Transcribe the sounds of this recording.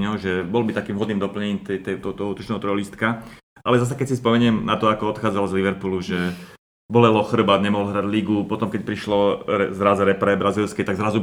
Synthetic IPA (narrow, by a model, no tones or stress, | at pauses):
ɲɔʊʒɛbɔlbit̪akiːmvɦɔd̪niːmd̪ɔpl̩ɲɲɛɲiːmt̪ɛt̪ɛt̪ɔt̪ɔɦut̪ɔt͡ʃnɛːɦɔt̪ɾɔlist̪ka | ʔalɛzas̬ɛkɛcsispɔmɛɲɪɛmnat̪ɔakɔɔt̪xaːd͡zalzliʋɛɾpuluʒɛ | bɔlɛlɔxr̩bad̪ɲɛmɔɦlɦɾaɟliɡupɔt̪ɔmkɛc̚pɾiʃlɔɾɛzɾazɾɛpɾɛbɾazilskɛt̪aɡzɾazu